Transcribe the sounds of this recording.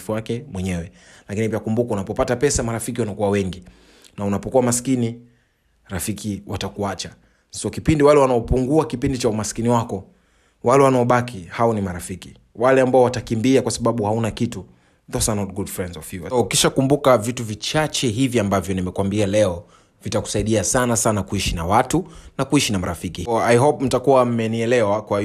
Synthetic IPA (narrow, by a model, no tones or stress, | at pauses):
fuakɛmwɛɲɛwɛ | lakinipiakumbukaunapɔpatapɛsamaɾafik̬iwanakuwawɛŋɡi | naunapɔkuwamaskini | ɾafikʰiwʔatakuat͡ʃa | sɔkipindiwalɛwanaɔpuŋɡuakipindit͡ʃaumaskiniwakɔ | walɛwanaɔɓakʰihaɔnimaɾafiki | walɛambaɔwatakimbiakwasaɓaɓuhaunakitu | ðɔsanɔt̚ɡudfɾɛndzɔfivaukiʃakumbukavituvit͡ʃat͡ʃɛɦiviambavjɔnimɛkwambialɛɔ | vitaku̥saiɗiasanasanakuiʃinawatunakuiʃinamaɾafikiajɦɔpm̩takuwam̩mɛniɛlɛwakwai